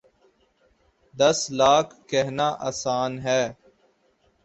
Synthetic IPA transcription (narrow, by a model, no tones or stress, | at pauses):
d̪ɐslaːkʰːɛɦnaːʔaːsaːnɦɛː